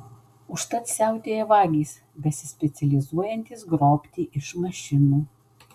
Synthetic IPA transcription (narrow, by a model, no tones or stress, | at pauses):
ʊʃt̪ɐt̪sʲæˑʊt̪ʲeːjɛʋɑːɡʲiːs | bʲɛsʲɪsʲpʲɛt̪sʲɛlʲɪzuɔjɛnʲt̪ʲɪsɡɾoːpʲt̪ʲiːʔɪʃmɐʃʲɪnuː